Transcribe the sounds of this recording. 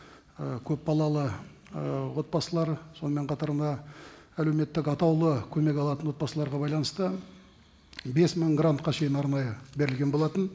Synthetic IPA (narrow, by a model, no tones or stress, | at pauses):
əkʲʰɵpbɑlˠɑlˠə | wo̞t̪̚bɑsəlˠɑɾso̞nəmeɴqʰɑt̪ɑɾənd̪ɑæle̞wme̞t̪ːɪkɑt̪ɑwlˠəkʲʰɵme̞kɑlˠɑt̪ənwo̞t̪̚bɑsəlˠɑɾʁɑbɑjlˠɑnəst̪ə | be̞sməŋɡrant̪̚qɑʃe̞jɪnɑɾnɑjəbe̞ɾɪlɡʲe̞nbo̞lˠɑt̪ən